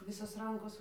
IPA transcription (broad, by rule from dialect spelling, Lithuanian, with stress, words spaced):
ˈʋʲɪsoːs ˈrɐŋkoːs